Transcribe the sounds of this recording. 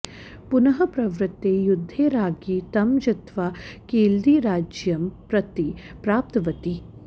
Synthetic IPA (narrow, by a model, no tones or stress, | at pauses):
pʊnɐɦɐpɾɐʋɾɪt̪ːejʊd̪ʱːeːɾaːɡiːt̪ɐmd͡ʒɐt̪ʋakeːld̪iːɾaːd͡ʒjɐmpɾɐt̪ipɾaːp̚t̪ɐʋɐt̪i